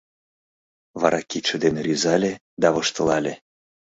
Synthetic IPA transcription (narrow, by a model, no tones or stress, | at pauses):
βɑ̰ɾʔɑkit̪ʃə̆d̪enrʲyzɑlʲe | d̪ɑβɤʃt̪ə̆lɑlʲe